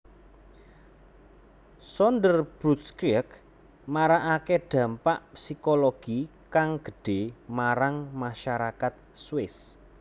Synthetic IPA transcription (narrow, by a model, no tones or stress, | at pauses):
sɔndərb̥ɾut̪̚skɾiək | maɾaʔakeɖ̥ä̤mpaʔpsikoloɡ̥ikaŋɡ̥ə̤ɖ̥e̤maɾaŋmaʃaɾakat̪̚swɪs